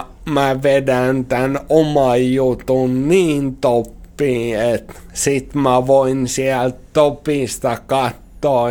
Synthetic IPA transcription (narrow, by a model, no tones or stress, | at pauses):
mæʋedænt̪ænomɑjjut̪unniːnt̪opːiːet̪sit̪mæʋoinsiælt̪t̪opist̪ɑkɑt̪ːoː